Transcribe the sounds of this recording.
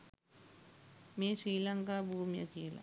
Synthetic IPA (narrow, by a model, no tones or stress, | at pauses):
meːʂɾiːlɐŋkaːbʱuːmjɐ̰kiːlɐ̰